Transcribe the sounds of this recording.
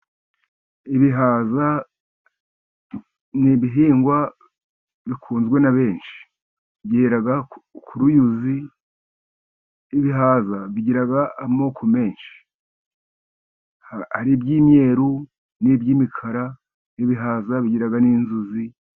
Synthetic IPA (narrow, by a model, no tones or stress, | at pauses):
iβiɦaːza | niβiɦiːŋɡwa | βikʰuːnzɡwe̞naβe̞ːnʃi̥ | bjeːɾaɡakʰuɾujuzi | βiɦaːzaβiɟiɾaɡaːmo̞ːkʰo̞me̞ːnʃi̥ | haɾibɟiːmɲe̞ːɾu | nibjiːmikʰaɾa | niβiɦaːzaβiɟiɾaɡaniːnzuzi